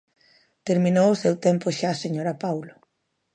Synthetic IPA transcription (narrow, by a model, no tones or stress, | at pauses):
t̪eɾmĩnowʊsewt̪empʊʃaːseɲoɾapawlʊ